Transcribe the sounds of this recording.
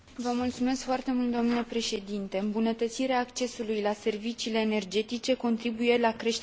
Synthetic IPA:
vəmult̪sume̞skfoart̪e̞mult̪̚d̪o̞mnilepɾe̞ʃe̞d̪int̪e̞ɨmbunət̪ət̪siɾeaːkt͡ʃe̞sulujlase̞rvit͡ʃiːle̞ːne̞rd͡ʒe̞t̪it͡ʃe̞ko̞nt̪ɾibuje̞lakɾe̞ʃ

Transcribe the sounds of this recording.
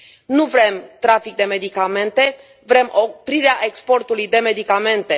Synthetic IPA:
nuvɾe̞mt̪ɾafik̚d̪e̞me̞d̪ikame̞nt̪e̞ | vɾe̞mʔopɾiɾeaʔe̞kspo̞rt̪ulujd̪e̞me̞d̪ikame̞nt̪e̞

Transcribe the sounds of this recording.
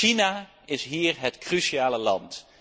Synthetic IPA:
ina | ɪsɦiːɹɦɛtkryʃiaːləlɑ̰nt

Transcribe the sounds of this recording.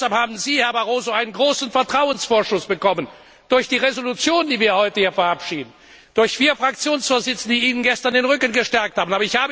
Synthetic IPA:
aphaːbn̩ziːhɛɐbaʁoːzoaɪnənɡʁoːsn̩fɛɐtʁ̥aʊənsfoːɐʃʊsb̥əkɔmən | d̥ʊɐçd̥iːʁezolut͡sjoːndiːviːɐhɔʏtəhiːɐfɛɐʔapʃiːdn̩ | d̥ʊɐçfiːɐfʁ̥ak̚t͡sjoːnsfoːɐzɪt͡sn̩d̥iːiːnənɡɛstɐndeːnʁʏkənɡəʃtɛɐkthaːbn̩ʔaːbɐɪçhaːbə

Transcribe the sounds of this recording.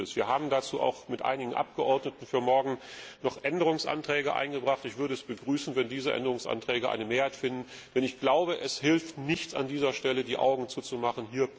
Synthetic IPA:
əsv̥iːɐɦaːbm̩dat͡suːʔa̰ʊxmɪtʔa̰ɪnɪɡŋ̩ʔa̰p̚ɡ̥əʔɔɐdnətn̩fyːɐmɔɐɡŋ̩nɔχʔɛndəʁʊŋsʔa̰ntʁ̥ɛːɡəʔa̰ɪnɡəbʁaχtɪçv̥ʏɐɾəɛsb̥əɡʁyːsn̩vɛndiːzəʔɛ̰ndəʁʊŋsʔa̰ntʁ̥ɛːɡəʔa̰ɪnəmeːɐhaɪtfɪndn̩d̥ɛnɪçɡ̥laʊbəʔɛshɪlftnɪçt͡sa̰ndiːzɐʃtɛlədiːʔa̰ʊɡŋ̩t͡suːt͡sumaχnɦiːɐ

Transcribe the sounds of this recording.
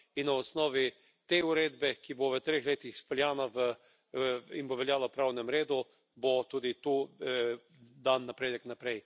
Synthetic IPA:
inːaɔsnɔːʋi | t̪euɾeːd̪bɛkiboʋət̪ɾeːxleːt̪ixspɔljaːnaʋə | inboʋɛljaːlapɾaːwnɛmɾeːd̪u | bot̪uːd̪it̪u | d̪anːapɾeːd̪ɛknapɾɛj

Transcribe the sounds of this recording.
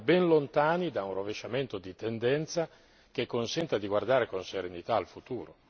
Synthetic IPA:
bɛnlont̪aːnid̪aunroveʃament̪od̪it̪end̪ɛnt̪sa | k̟ekːonsɛnt̪ad̪iɡward̪aːɾekonseɾenit̪aːlfut̪uːɾo

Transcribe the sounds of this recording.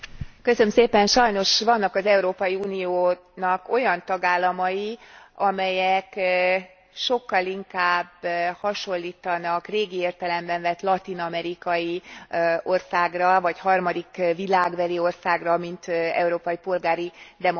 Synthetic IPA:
kø̞sømseːpɛnʃɒjno̞ʃvɒnːɒkɒzɛuɾoːpɒjiuːnijoː | nɒko̞jɒnt̪ɒɡaːlːɒmɒjiɒmɛjɛk | ʃo̞kːɒliŋkaːbhɒʃo̞lːiːt̪ɒnɒkreːɡieːrt̪ɛlɛmvɛɱvɛt̪lɒt̪inɒmɛɾikɒji | o̞rsaːɡrɒvɒchɒrmɒd̪ikvilaːɡʋɛlio̞rsaːɡrɒmint̪ɛ̰uɾoːpɒjipo̞lɡaːɾid̪ɛmo

